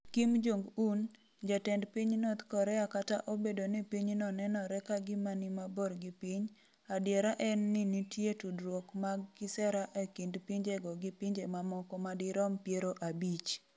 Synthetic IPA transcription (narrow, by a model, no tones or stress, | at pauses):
kimd͡ʒoŋɡun | d͡ʒatɛndpiɲnot̪kɔɾɛakataʔobedonɪpiɲnɔnɛnɔɾɛkaɡɪmanɪmaboɾɡɪpiɲ | adjeɾaʔɛnːɪnitjetudɾwokmaɡːɪsɛɾaʔekindpiɲd͡ʒeɡɔɡɪpiɲd͡ʒemamɔkɔmadɪɾɔmpjeɾoʔabit͡ʃ